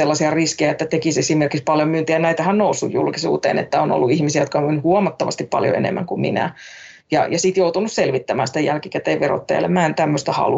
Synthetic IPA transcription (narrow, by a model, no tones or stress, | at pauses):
elːɑsiɑriskejæet̪ːæt̪ekisesimerkikspɑljomynt̪iænæit̪æhænnousːujjṵlkisṵːt̪ḛːnḛt̪ːæono̰lːuihmisiæjot̪̚kɑomynhuomɑt̪ːɑʋɑ̰st̪ippɑ̰ljo̰ḛnḛmːæ̰ŋkummḭnæ̰ | jɑ̰jɑsit̪jout̪unusselʋit̪ːæmæːnsi̥t̪ejælkikæt̪eːʋʋero̰t̪ːɑjɑ̰lḛmæːnt̪æmːøst̪æhɑ̰lu